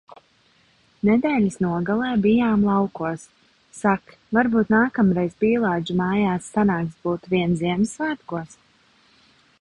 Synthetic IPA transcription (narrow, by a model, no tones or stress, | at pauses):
nɛd̪ɛːlʲisnuɔɡalˠɛːbijaːmlˠɑwkuɔsː | ak | vaɾbuːt̪naːkamɾɛjzbiːlˠaːd͡ʒumaːjaːsːanaːksbuːt̪uviɛnziɛmsːvaːt̪ɡuɔs